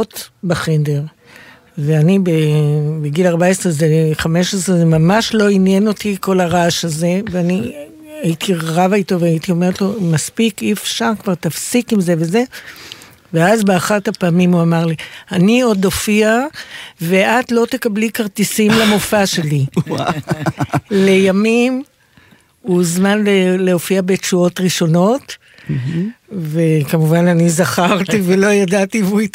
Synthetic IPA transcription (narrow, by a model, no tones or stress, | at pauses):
ot̪baχendeʁ | veanibebeɡilaʁbaesʁezeχame̞ʃesʁezemamaʃlo̞injeno̞t̪iko̞laʁaʃaze̞veani | ait̪iʁʁavait̪o̞veait̪io̞me̞ʁetlo̞maspikifʃaʁkvaʁt̪afsikimze̞veze̞ | veazbeaχathapaːmimuamaʁlianio̞d̪o̞fiave̞ʔat̪lo̞t̪ekablikaʁt̪isimlamo̞faʃe̞li | le̞jamim | uzmanleleofiabe̞t͡ʃuo̞tʁiʃo̞no̞t̪ | ve̞kamuvananizaχaʁt̪ive̞lo̞jadat̪ivui